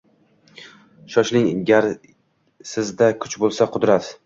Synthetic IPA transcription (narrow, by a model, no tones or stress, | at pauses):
ʃɒʃlɪŋɡʲaɾ | sɪzd̪akʰʊt͡ʃbolˠsaqʰʊd̪ɾat̪